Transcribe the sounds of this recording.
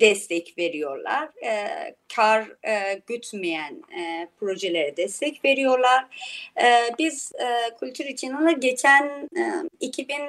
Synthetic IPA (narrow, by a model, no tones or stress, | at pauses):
d̪̥ɛst̪ʰɛcve̞ɾijo̞ɾlˠa̰ɾ̥ | cʰaɾɟyt̪mejænpʰɾo̞ʒelʲeɾɛd̪ɛst̪ʰɛcve̞ɾijo̞ɾlˠaɾ̥ɛbizkʰulʲt̪ʰyɾit͡ʃʰinonlˠaɟet͡ʃʰæn | icʰibin